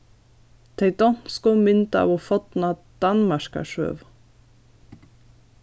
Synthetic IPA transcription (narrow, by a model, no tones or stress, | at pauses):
t̪ʰeɪt̪ɔnskɔmʏnt̪əɑ̰ːʋofɔt̪nɑd̪̥ɑnmɑʃkɑ̰ʃø̰ːʋ